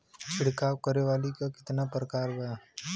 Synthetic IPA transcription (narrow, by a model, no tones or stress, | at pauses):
t͡ʃʰɪɽkaːwkəɾeʋaːlikakɪ̥t̪napɾəkaːɾɡɐjaː